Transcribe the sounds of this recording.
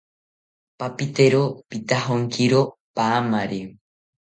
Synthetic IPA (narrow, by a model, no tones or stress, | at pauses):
papit̪eɾopit̪aɦoŋkiɾopaːmaɾe